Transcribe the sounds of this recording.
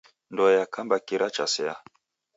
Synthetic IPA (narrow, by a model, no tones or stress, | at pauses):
ndɔjakʰambakiɾat͡ʃa̰sɛa